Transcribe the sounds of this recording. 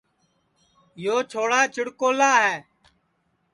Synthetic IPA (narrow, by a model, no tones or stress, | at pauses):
joːt͡ʃʰoːɽaːt͡ʃɪɽkoːlaːɦɛː